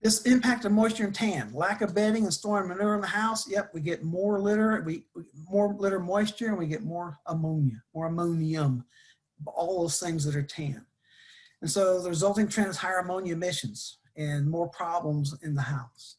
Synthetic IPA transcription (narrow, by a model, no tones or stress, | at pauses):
ðɪsɪ̃mpʰæk̚tʌmɔɪst͡ʃə˞ɨ̃ntʰæ̃nlækʌvbɛɾɪ̃ŋɨ̃nstɔɹ̃nmɨnʉɨ̃nðəhaʊsjɛp̚wiɡɛt̚mɔɹlɪɾə˞wiwimɔɹlɪɾə˞mɔɪst͡ʃə˞ɨ̃nwiɡɛt̚mɔɹəmõʊ̃njɨmɔɹɨmõʊ̃niə̃m | ɔlˠðoʊz̥θɪ̃ŋzðɨɾə˞tʰæ̃n | ɨ̃nsoʊðəɹɨzʌlˠtɪ̃ŋtʰɹ̥ɛ̃nɨz̥haɪ˞əmõʊ̃njɨmɪʃɨ̃nz̥ | ɨ̃nmɔɹpʰɹ̥ɑblə̃mzɪ̃nðəhaʊs